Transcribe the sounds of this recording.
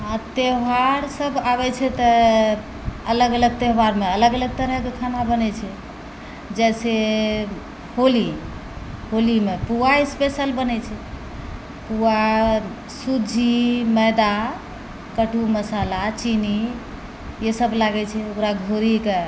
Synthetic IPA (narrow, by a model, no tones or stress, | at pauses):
at̪eɦwaɾsəbʱaβɛt͡ʃʰɛt̪ɔ | ələɡələɡ̚t̪eɦwaɾmeələɡələɡ̚t̪əɾəɦkekʰanabənɛt͡ʃʰɛ | d͡ʒɛse | holi | holimepuaespesəlbənɛt͡ʃʰɛ | pua | sud͡ʒʱiməjd̪a | kəʈuməsalat͡ʃini | jesəblaɡɛt͡ʃʰɛokɾaɡʱoɾike